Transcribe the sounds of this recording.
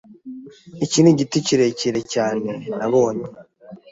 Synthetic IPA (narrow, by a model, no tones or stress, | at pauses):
eciniɟituciɾe̞ciɾe̞caːne̞naβoːɲe